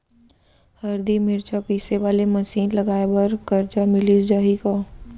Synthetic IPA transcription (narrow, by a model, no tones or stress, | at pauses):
hɐɾd̪imɪɾt͡ʃapiːseʋaːlemɐsiːnlɐɡaːebəɾkɐɾt͡ʃamɪlid͡ʒaːɦikaː